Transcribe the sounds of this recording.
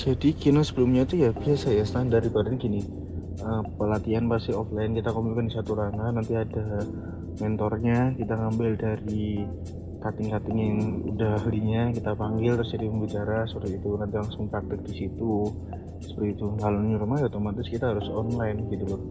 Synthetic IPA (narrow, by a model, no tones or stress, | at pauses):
d͡ʒadikinasəbəlʊmɲat̪ujabiasajasət̪andaɾikadankinɪ | əpəlat̪ianpasiɔflajnkit̪akomɪlkandisat̪uɾaŋanant̪iada | mɛnt̪ɔrɲakit̪aŋambɪldaɾi | kat̪ɪŋkat̪ɪŋjaŋṵdahliɲakit̪apaŋɡɪlt̪ɾʊsd͡ʒadiməmbit͡ʃaɾasəpəɾt̪it̪unant̪ilaŋsʊŋpɾak̚t̪ɪk̚disit̪u | sə̥pərt̪iːt̪uŋalʊnɲuɾumajot̪omat̪ɪskit̪aɦaɾʊsɔnlaɪnɡit̪ulʊ